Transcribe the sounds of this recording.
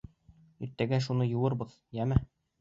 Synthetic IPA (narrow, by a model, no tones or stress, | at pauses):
iɾt̪ːæɡæʃunɤjŭwɤɾbɤð̥ | jæmæ